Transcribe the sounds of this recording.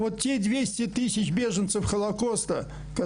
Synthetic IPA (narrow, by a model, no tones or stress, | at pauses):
vot̪tʲːed̪ʲvʲesʲtʲɪt̪ɨsʲɪt͡ɕbʲe̞ʐənt̪səfxəlˠɐko̞st̪ə | kɐ